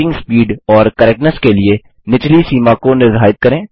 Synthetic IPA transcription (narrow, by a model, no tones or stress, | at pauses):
ɪ̃ŋɡspiːɖɔːɾkɐɾɛːknəɾskelie | nɪt͡ʃlisiːmakonɪɾɦaːɪt̪̚kɐɾẽː